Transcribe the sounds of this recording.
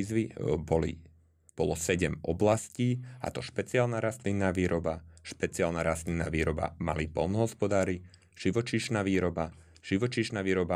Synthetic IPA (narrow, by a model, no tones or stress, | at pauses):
zʋibɔlḭ | b̥ɔlɔsɛɟɛmɔblasciːa̰t̪ɔʃpɛt͡siaːlnaːɾast̪linːaːʋiːɾɔbaʃpɛt͡sialnaɾast̪linːa̰ːʋiːɾɔba̰ma̰lipɔlnɔɦɔspɔd̪aːɾi | ʒ̥iʋɔt͡ʃiːʃnaːʋiːɾɔba | ʒ̥iʋɔt͡ʃiːʃnaːʋiːɾɔba